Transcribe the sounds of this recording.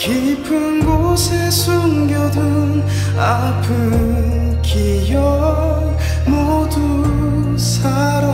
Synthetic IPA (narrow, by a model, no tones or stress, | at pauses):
ki | pʰɯnɡo | sʰesʰuŋɡjodɯ | n | a | pʰɯ | kʰi | jʌ | mo | du | sʰa | ɾʌ